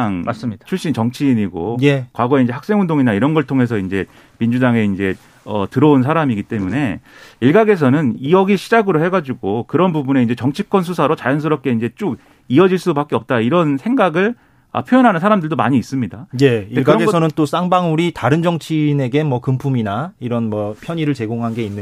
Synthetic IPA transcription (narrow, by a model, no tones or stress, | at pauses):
ŋs͈t͡ɕʰuɭɕ͈int͡ɕʌŋt͡ɕʰiːɲiɡo̰ekwaɡʌeind͡ʑe̞hak̚s͈e̞ŋɦundoŋinaiɾʌnɡʌɭtʰoŋɦe̞s̬ʰʌind͡ʑe̞ | mind͡ʑudaŋe̞ind͡ʑe̞ | ʌtɯɾʌunsʰaɾamiɡit͈e̞mune̞̰ | iɭɡaɡe̞s̬ʰʌnɯniʌɡiɕʰid͡ʑaɡɯɾohe̞ɡad͡ʑuɡokɯɾʌnbubune̞ind͡ʑe̞t͡ɕʌŋt͡ɕʰik͈wʌnsʰusʰaɾot͡ɕajʌns̬ʰɯɾʌp̚k͈e̞ind͡ʑe̞t͡ɕ͈oɡ | iʌd͡ʑiɭs͈upak͈eʌp̚t͈aiɾʌnsʰe̞ŋɡaɡɯɭ | ʌ̰pʰjojʌnɦanɯnsʰaɾamdɯɭdomaɲiːs͈ɯmɲidajeiekɯɾʌeɡʌsʰʌnɯnt͈os͈aŋbaŋuɾitaɾɯnd͡ʑʌŋt͡ɕʰine̞ɡe̞mʌkɯmpʰuminaiɾʌnmʌpʰjʌɲiɾɯɭt͡ɕe̞ɡoŋɦanɡe̞inːɯ